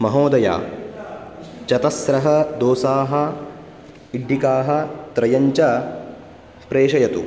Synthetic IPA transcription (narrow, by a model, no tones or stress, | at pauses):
mɐɦoːd̪ɐja̰ː | t͡ʃɐt̪ɐsɾɐɦɐd̪oːsaːɦɐ | iɖʱːikaːɦɐ̆t̪ɾɐjɐɲt͡ʃɐ | pɾeːʃɐjɐt̪ṵ